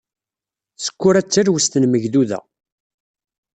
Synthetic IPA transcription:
sə̥kʷːʊɾæt͡sːəɾwəst̪ənməʝðuðæ̰

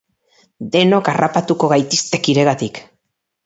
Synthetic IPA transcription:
d̪e̞no̞karapat̪uko̞ɣajt̪ist̪e̞kiɾe̞ɣat̪ik

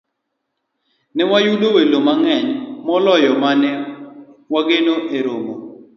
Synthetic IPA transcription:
nɛwajudowelomaŋɛɲmɔlɔjɔmanɛ | waɡenoʔeɾomo

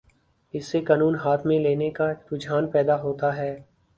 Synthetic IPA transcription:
ɪsːekaːnuːnɦaːt̪ʰmẽleːnekaɾʊd͡ʒaːnpɛːd̪aɦoːt̪aɦɛː

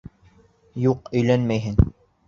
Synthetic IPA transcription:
juqɵ̆jlænmæjɦɘn

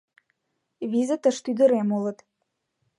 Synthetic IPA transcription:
vizət̪əʃt̪yd̪ə̆ɾemolə̆t̪

